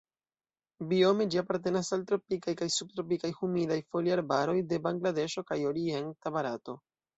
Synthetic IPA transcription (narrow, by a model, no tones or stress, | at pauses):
bio̞med͡ʒiapaɾte̞nasaltɾo̞pikajkajsub̚tɾo̞pikajhumidajfo̞liaɾbaɾo̞jde̞baŋɡlade̞ʃo̞kajo̞ɾie̞ntabaɾato̞